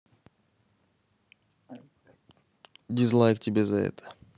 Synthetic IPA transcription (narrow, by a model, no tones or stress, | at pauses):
d̪ʲizlˠajk̚t̪ʲibezaɛ̰t̪ʰə̥